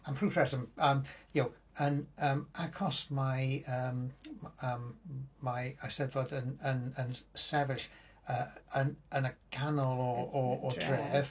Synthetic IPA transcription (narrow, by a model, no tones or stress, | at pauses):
ampʰruːfʰrɛsəməːmjow | ənəːmakʰɔsmajəːməːmːajasɛdvodənənənsɛvɪɬ | əːənənəɡ̥ʰanɔlˠɔɔɔd̥ʰrɛːv̥